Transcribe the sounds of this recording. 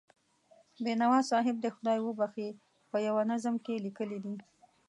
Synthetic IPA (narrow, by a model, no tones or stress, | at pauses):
benawɑsɑɦɪb̚d̪əxʊd̪ɑjwəbaxe | pəjawanazəmkelikəlid̪i